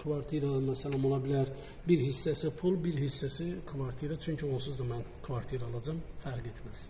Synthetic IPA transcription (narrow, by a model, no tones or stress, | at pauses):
kʰvɑɾt̪ʰiɾad̪ɑnd̪ɑsælˠɑmo̞lˠɑbilæɾ | biɾhisːæsipʰulˠbiɾɦisːæsikʰvɑɾt̪ʰiɾat͡ʃʰyɲcʰio̞lˠsuzd̪ɑmænkʰvɑɾt̪ʰiɾɑlˠɑd͡ʒɑmfæɾɡet̪ʰmæz̥